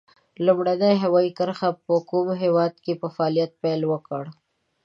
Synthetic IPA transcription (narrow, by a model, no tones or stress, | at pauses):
lumɽanajɦawɑikəɾxapəkumɦewɑd̪kepəfaɑːlijat̪̚pajlwəkəɽ